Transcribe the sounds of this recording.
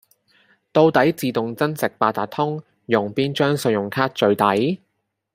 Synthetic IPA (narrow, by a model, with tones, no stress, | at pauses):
t̪o˧wt̪ɐ˨˥jt͡siː˨˧t̪ʊ˨ŋt͡sɐ˥nsɪ˨k̚paː˧t̪aː˨t̪ʰʊ˥ŋ | jʊ˨˩ŋpiː˥nt͡ʃœː˥ŋsɵ˨˧jʊ˨˩ŋkʰaː˥t̚t͡ʃɵ˨˧ɥt̪ɐ˨˥j